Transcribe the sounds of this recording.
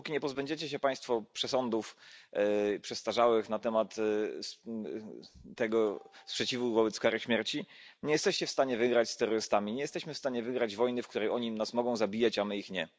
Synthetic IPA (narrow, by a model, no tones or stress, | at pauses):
ukʲiɲɛpɔzbɛɲd͡ʑɛt͡ɕɛɕ̬ɛpaj̃st̪fɔpʂɛsɔnd̪uf | pʂɛst̪aʐawɘxnat̪ɛmat̪ | t̪ɛɡɔspʂɛt͡ɕivuvɔbɛt̪skaɾɘɕmʲjɛɾt͡ɕi | ɲɛjɛst̪ɛɕt͡ɕɛfst̪aɲɛvɘɡɾat͡ɕst̪ɛɾɔɾɘst̪amʲiɲɛjɛst̪ɛɕmɘfst̪aɲɛvɘɡɾad͡ʑvɔjnɘfkt̪uɾɛjɔɲinasmɔɡɔ̃w̃zabʲijat͡ɕamɘixɲɛ